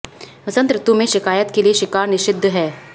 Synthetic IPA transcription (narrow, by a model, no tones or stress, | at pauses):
ʋɐsə̃nt̪ɾɪt̪umẽʃɪkaːjət̪kelieʃɪkaːɾnɪʃɪd̪ʱːɦɛː